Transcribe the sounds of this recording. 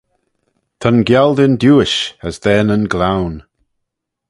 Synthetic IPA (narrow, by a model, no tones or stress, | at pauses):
t̪ʰənɡjɛlˠdɪndjuːɪʃəzðɛnənɡlawn